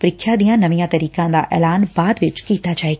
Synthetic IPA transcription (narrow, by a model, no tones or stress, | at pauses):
pɾɪkʰjad̪ijãnɐʋijãt̪ɐɾiːkãd̪a̰ʔɛ̰ːlaːnbaːd̪ʋɪt͡ʃkiːt̪ad͡ʒaːe